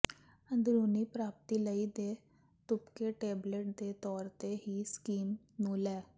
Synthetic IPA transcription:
ə̃nd̪ɾuːnipɾaːp̚t̪ilɐid̪eː | t̪ʊpkeʈeːbleʈ̚d̪et̪ɔːɾt̪eɦiskiːm | nuːlɛː

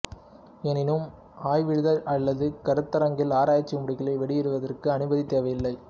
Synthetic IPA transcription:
ɛnɪnɯm | aːjʋɪɻɯðɐɾɐɭːɐðɯkɐɾɯt̪ːɐɾɐŋɡɪlaːɾaːjt͡ʃːimʊɽɪɣɪlɐɪʋɛɽɪjɪɾɯʋɐðɐrkɯɐnɯbɐðit̪ːeːʋɐjɪlːɐɪ

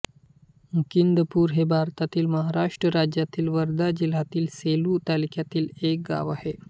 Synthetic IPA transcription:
mukind̪əpuːɾɦebʱaɾt̪at̪iːlməɦaɾaʂʈɾəɾad͡ʑjat̪iːlʋəɾd̪ad͡ʑil̤at̪iːlseluːt̪alikjat̪iːlek̚ɡa̰ʋahe

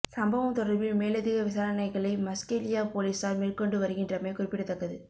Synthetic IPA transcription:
sɐmbɐʋɐmt̪ɔɽɐɾbɪlmeːlɐðiɣɐʋɪsaːɾɐnɐɪɣɐɭɐɪmɐskeːlɪjaːpoːliːsaːlmeːrkɔɳɖɯʋɐɾɯɣɪndrɐmeːkʊrɪpːɪʈːɯt̪ːɐkːɐðɯ

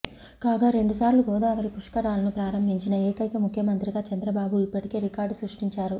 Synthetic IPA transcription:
kaːɡaːɾe̞ɳɖusaːɾluɡɔːd̪aːʋɐɾipuʂkɐɾaːlɐnupɾaːɾɐmbʱiɲt͡ʃinɐeːkɐjkɐmukʰjɐmɐnt̪ɾiɡaːt͡ʃɐnd̪ɾɐbaːbuipːɐʈi̥ke̞ːɾikaːɾɖsɾuʂʈiɲt͡ʃaːɾu

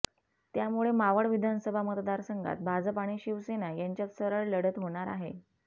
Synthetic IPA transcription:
t̪jamuɭemaʋəɽʋid̪ʱansəbʱamət̪d̪aɾsəŋɡʱa̰t̪̚bʱad͡zəpaɽ̃iːɕiʋsenajaɲt͡ɕjat̪səɾəɭləɽ̤ət̪ɦoɽ̃aɾa̰ɦe

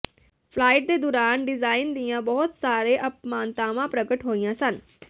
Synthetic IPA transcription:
pʰlaːɪʈ̚d̪eːd̪ʊɾaːnɖɪzaːɪnd̪ijãːbɔːʊt̪saːɾeːʔəpmaːnt̪aːʋãːpɾəɡəʈɦoːijãːsən

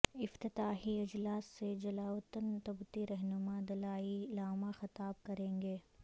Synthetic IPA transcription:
ɪft̪ɪt̪aːɦiɪd͡ʒlaːsːed͡ʒɐlaːwət̪ənt̪ɐbt̪iɾɛɦnʊmad̪ɐlaːiɪlaːmaxɐt̪aːb̚kɐɾẽːŋɡeː

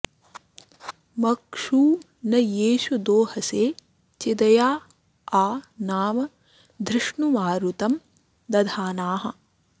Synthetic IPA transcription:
mɐkʂuː | nɐjeːʃud̪oːhɐseː | t͡ʃid̪ɐjaː | aːnaːmɐ | d̪ʱɾɪʂɳumaːɾut̪ɐm | d̪ɐd̪ʱaːnaːɦɐ̆

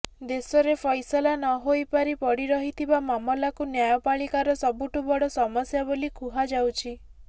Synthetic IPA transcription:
d̪esɔɾepʰɔjsɔlanɔɦojpaɾipɔɽiɾɔɦit̪ʰibamamɔlakunjajɔpaɭikaɾɔsɔbuʈubɔɽɔsɔmɔsjabolikʰuɦad͡ʒawt͡ʃʰi

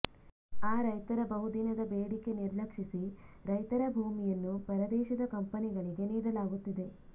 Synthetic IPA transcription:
aːɾɐjt̪ɐɾɐbɐɦud̪inɐd̪ɐbeːɽike̞niɾlɐkʂisiɾɐjt̪ɐɾɐbʱuːmijɐnːupɐɾɐd̪ɛːʃɐd̪ɐkɐmpɐniɡɐɭiɡe̞niːdɐlaːɡut̪ːid̪e̞

